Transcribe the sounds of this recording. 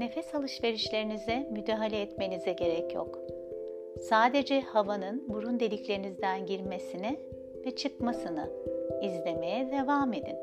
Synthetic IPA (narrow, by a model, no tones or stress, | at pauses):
ne̞fɛsalˠɯʃve̞ɾiʃlʲe̞ɾinizɛmyd̪aːɦalʲɛːt̪me̞nizɛɟe̞ɾɛcjo̰k | saːd̪e̞d͡ʒɛhavanɯnbuɾund̪e̞lʲiclʲe̞ɾinizd̪ænɟiɾme̞sinɪ | vɛt͡ʃʰɯkmasɯnɯ̰izlʲe̞me̞jɛd̪e̞vaːme̞d̪ḭn